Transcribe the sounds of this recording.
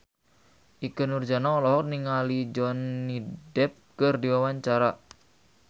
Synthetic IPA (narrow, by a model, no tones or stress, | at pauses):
ʔikənurd͡ʒanaɔlɔɦɔk̚niŋalid͡ʒɔnːidɛp̚kərdiwawaɲt͡ʃaɾa